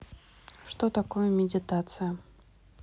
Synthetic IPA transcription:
ʂt̪ot̪akojəmʲɪdʲɪt̪at̪sɨjə

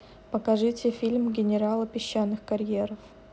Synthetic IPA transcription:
pəkɐʐɨtʲɪfʲilʲmɡʲɪnʲɪɾalˠəpʲɪɕːanːɨxkɐɾʲjeɾəf

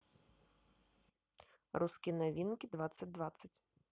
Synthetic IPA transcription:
ruskʲinɐʋʲinkʲid̪ʋasʲɐt̚ʲd̪ʋat̪sʲɐtʲ

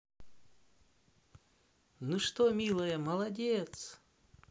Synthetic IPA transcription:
nuʂt̪omʲilˠəjəmɐlˠɐdʲet̪s

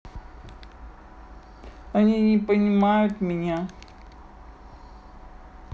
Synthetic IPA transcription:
ɐnʲinʲɪpənʲɪmajʊt̪mʲɪnʲa

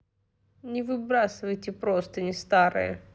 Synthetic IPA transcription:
nʲɪvɨbɾasɨvəjtʲɪpɾost̪ənʲɪst̪aɾɨ̰jə̰

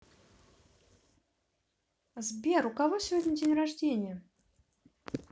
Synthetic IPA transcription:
zʲbʲɛrukavɔsʲvʲɔdʲnʲid͡zʲenʲraʐd͡zʲenʲɪjə

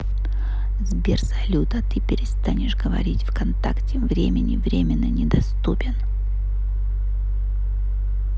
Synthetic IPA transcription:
zbʲersɐlʲut̪ət̪ɨpʲɪɾʲɪst̪anʲɪʂɡəvɐ̰ɾʲitʲfkɐnt̪aktʲɪvɾʲemʲɪnʲɪvɾʲemʲɪnːənʲɪd̪ɐst̪upʲɪn

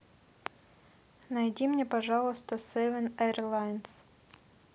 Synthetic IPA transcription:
nɐjdʲimnʲepɐʐɑlˠəst̪əsɛvʲənɛrlˠajns

